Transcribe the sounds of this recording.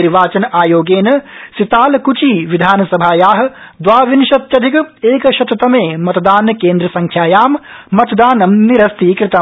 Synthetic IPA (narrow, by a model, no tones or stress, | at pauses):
iɾʋaːt͡ʃɐnʔaːjoːɡeːnɐsit̪aːlɐkut͡ʃiːʋid̪ʱaːnɐsɐbʱaːjaːɦɐ̆d̪ʋaːʋinʃɐt̪jɐd̪ʱikɐeːkɐʃɐt̪ɐt̪ɐmeːmɐt̪ɐd̪aːnkeːnd̪ɾɐsɐŋkʰjaːjaːmːɐt̪d̪aːnɐmniɾɐst̪iːkɾɪt̪ɐ